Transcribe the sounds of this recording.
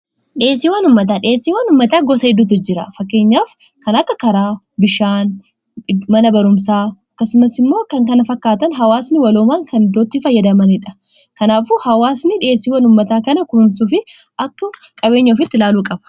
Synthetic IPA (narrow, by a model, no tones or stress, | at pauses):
ᶑɪeːsiːwɐnʊmːɐt̪̬aːᶑɪeːsːiːwɐnʊmːɐt̪aːɡɔsɐɪd̪ːuːt̪ɪd͡ʒɪɾɐ̰fɐkːe̞ːɲːaːf | kɐnɐkːɐkɐɾaː | bɪʃaːn | mɐnɐbɐɾʊmsaːɐkːɐsʊmɐsɪmːo̞ːkɐŋkɐnɐfɐkːaːt̪ɐnɦɐwaːsnɪwɐloːmaːŋkɐnɪd̪ːoːt̪ːifɐjːɐd̪ɐmɐnɪᶑɐ̥ | kɐnaːfʊhɐwaːsnɪᶑɪe̞ːsːiːwɐnʊmːɐt̪aːkɐnɐkʊnsuːfɪ | ɐkːɐkʼɐbe̞ːɲːɐːfɪt̪ːɪlaːluːkʼɐbɐ̥